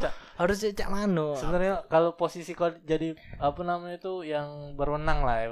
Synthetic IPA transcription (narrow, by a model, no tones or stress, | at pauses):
t͡ʃahaɾʊs̬ɲat͡ʃa̰ʔmanosəbənarɲakaloposisikodd͡ʒadiapanamaɲat̪ujaŋbərwənaŋlaha